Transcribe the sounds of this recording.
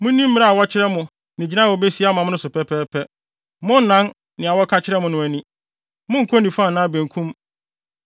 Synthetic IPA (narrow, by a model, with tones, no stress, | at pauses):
mʊ̃˦nĩ˦m̩̃ː˦ɾa˦a˨wɔ˦t͡ɕʰɪ˦ɾɛ˦mʊ̃˨ | nɪ̃˨d͡ʑi˨nã˦˨wɔ˨be˦si˦a˦mã˨m˦nʊ̃˦sʊ˨pʰɛ˦pʰɛː˦pʰɛ˦ | mʊ̃˦n˦nã˦n | nɪ̃˨a˨wɔ˦kʰa˦t͡ɕʰɪ˦ɾɛ˦mʊ̃˨nʊ̃˨æ˨nĩ˦ | mʊ̃˦ŋ̩˨kʰo˦nĩ˨fã˦˨nãː˦˨bæ̃˨ŋkʰũ˦m